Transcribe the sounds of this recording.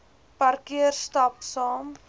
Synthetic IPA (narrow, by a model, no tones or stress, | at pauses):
pɐrkiərstɑpsɑːm